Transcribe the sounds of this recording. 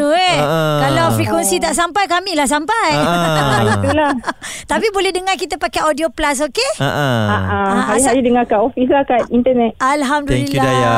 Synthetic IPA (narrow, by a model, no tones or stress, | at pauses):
uekalawfɾikwɛnsit̪aʔsampajkamĩlahs̬ampajit̪ulaht̪ap̬ibolɛhdəŋakit̪apakaodioplas̬okeaʔaɦaɾiaɾidəŋakaʔofis̬lahkat̪int̪ənɛtalɦamdulikluadaja